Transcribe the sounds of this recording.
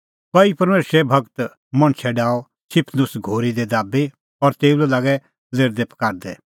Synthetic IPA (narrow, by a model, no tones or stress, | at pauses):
kɔipɐɾmeːsɾɛbʱɐkt̪ | mɐ̃ɽ̃t͡ʃʰɛɖaːɔ | sʰɪpʰnʊsɡʱoːɾid̪ed̪aːbi | ɔɾt̪eːulɛlaːɡɛ | zeːɾd̪epʰɐ̥kaːɾd̪ɛ